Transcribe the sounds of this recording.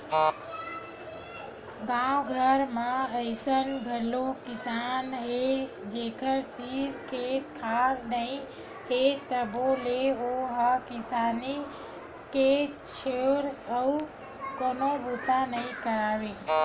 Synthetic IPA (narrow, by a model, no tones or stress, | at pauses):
ɡãwɡʱəɾmãəɪsənɡʱəlokɪsaːnɦe | d͡ʒeːkʰəɾt̪iːɾkʰet̪̚kʰaɾnəĩ | ɦet̪əboleoɦakɪsaːni | ke | t͡ʃʰeʋɾəu | koːnobut̪anəĩkəɾaːʋe